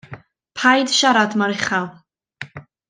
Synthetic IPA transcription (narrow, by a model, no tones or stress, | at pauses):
pʰajdʃaɾadmaɾɪχalˠ